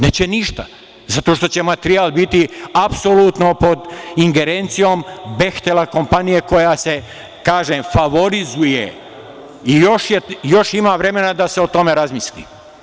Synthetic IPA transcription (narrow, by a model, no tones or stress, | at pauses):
net͡ɕeniʃt̪a | zat̪o̞ʃ̬t̪o̞t͡ɕe̞mat̪ɾiaːlˠbit̪iapsolut̪no̞po̞d̪iŋɡe̞ɾent̪sijoːmbe̞xt̪elako̞mpanije̞ko̞jase | kaːʒemfaʋo̞ɾizuje | ijo̞ʃjejo̞ʃimaːʋɾe̞me̞nad̪aseo̞t̪o̞me̞ɾazmislḭ